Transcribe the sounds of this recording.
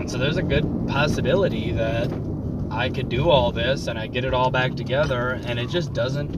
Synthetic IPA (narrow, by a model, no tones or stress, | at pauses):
soʊðə˞zɨɡʊd̚pʰɑsɨbɪlˠəɾiðɨɾ | ʔaɪkɨdɨɔlˠðɪsɨ̃ñaɪɡɛɾɨɾɔlˠbæk̚tʰɨɡɛðə˞ɨ̃nɨt̚d̥ʒ̥ʌs̬d̥ʌzɨ̃nt